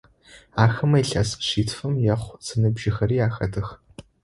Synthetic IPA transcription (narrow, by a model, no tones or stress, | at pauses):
aːxɐmɐjɬɐsɕiːtʰfɐmjɐχʷz̥ɨnɨbʒɪxɐɾiːaːxɐdʰɨx